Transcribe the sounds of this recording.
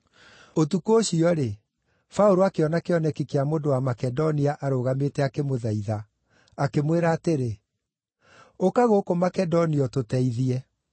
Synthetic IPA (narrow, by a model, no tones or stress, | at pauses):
otukooɕiɔɾe | faoɾoakeɔnakeɔnɛkikeamondowamakɛdɔniaʔaɾoɣametɛakemoðaiða | akemweɾaːteɾe | okaɣokomakɛdɔniɔtotɛiðiɛ